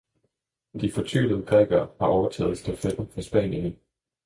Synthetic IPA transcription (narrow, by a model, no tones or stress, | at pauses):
d̥ifɒ̽t͡sʰy̰ːləð̩ˠpʰʁɛɡ̥ɐːhɑ̈ʔɒʊɐt͡sʰɛ̰ːð̩ˠsd̥ʰæfed̥ɐfɒ̽sb̥ɛ̰ːnjən